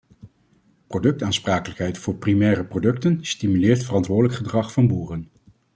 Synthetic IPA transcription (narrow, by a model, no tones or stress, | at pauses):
prodɵk̚taːnspraːkələkɦɛjtfʊːɹprimɛːɾəprodɵktənstimylɪːɹtfərɑntʋʊːɹdələkχədrɑχfɑnbuːrən